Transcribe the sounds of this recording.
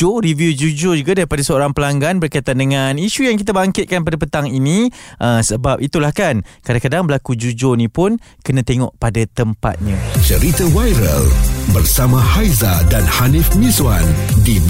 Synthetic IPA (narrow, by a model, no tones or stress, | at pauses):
oɾivjud͡ʒud͡ʒod͡ʒuɡadaɾipadasəoɾaŋpəlaŋɡanbərkajt̪andəŋaniʃujaŋk̬it̪abaŋkɪt̪̚kanpadapət̪aŋiniʔəsəbap̚it̪ulahkankadaŋkadaŋbəlakud͡ʒud͡ʒonĩpʊn | kənãt̪eŋɔ̰ʔpadat̪əmpa̰t̪̚ɲãt͡ʃəɾit̪awajɾə̰lbərsamãhajzadanhanifmĩswandin